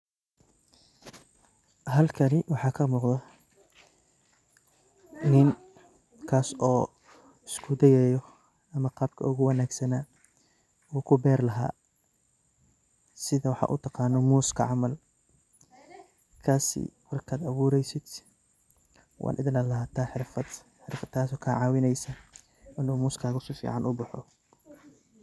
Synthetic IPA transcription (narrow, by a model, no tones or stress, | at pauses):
hɐlkʰɐnɪwɑħɑːkʰɐmuːqd̪ɐ | nɪn | kʰaːsɔː | ɪskʰʊd̪ɛjɛːjɔ | ɐmɐqɑːb̚kʰɐ̰ʊɣʊwɐnaːɡsɐnaː | uːkʰʊbɛːrlɐɦa̰ː | sɪðɐwɑħɑ̰ʔʊ̰t̪ʰɑqɑːnɔmuːskʰɐʕɑmɐl | kʰaːsɪ̰mɐrkʰaːd̪ɐβuːɾɛjsɪd̪ | wʔɑ̰ːnʔɪðɪnɐlɐɦɐt̪ʰaːħɪɾfɐd̪ | ħɪrfɐd̪kʰaːsɔːkʰaʕɑːwɪnɛjsɐ | ʔɪnuːmuːskʰaːɣɐsiːfḭːʕɑnʔʊbʊħɔ̰